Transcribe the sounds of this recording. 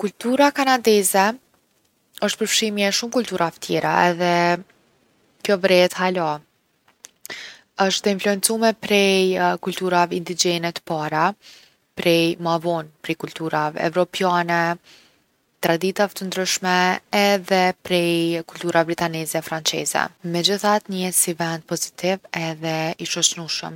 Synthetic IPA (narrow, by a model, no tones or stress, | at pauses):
kult̪uɾakanad̪ɛzɛ | əʃt̪̚pəɾfʃimjɛʃumkult̪uɾavɛt̪ʰjɛɾaɛðɛ | kjɔvɾɛɛt̪hala | əʃt̪ɛinfluɛnt͡sumɛpɾɛjkulʲt̪uɾavɛind̪id͡ʒɛnɛt̪ə̥paɾa | pɾɛjmavɔnpɾɛkult̪uɾavɛɛ̰vɾɔpjanɛ | t̪ɾad̪it̪avɛt̪ənd̪ɾyʃmɛːðɛpɾɛjkult̪uɾabɾit̪anɛzɛfɾant͡sɛ̰zɛ̰mɛd͡ʑəθat̪ɲəɛsivɛnd̪̚pɔzit̪ivɛðɛiʃɔt͡ʃnuʃə̰m